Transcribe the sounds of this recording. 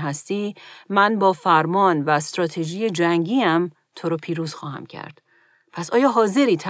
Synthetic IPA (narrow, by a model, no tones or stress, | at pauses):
ɦæst̪iːmænbɒːfæɾmɒːnvæst̪ɾɒːt̪ʰe̞ʒiːjed͡ʒæŋɟiːæm | t̪ʰoɾɒːpʰiːɾuːz̥xɒːhæ̰mcʰæ̰ɾd̪̥ | pʰæsɒːjɒːɦɒːze̞ɾiːt̪ʰæ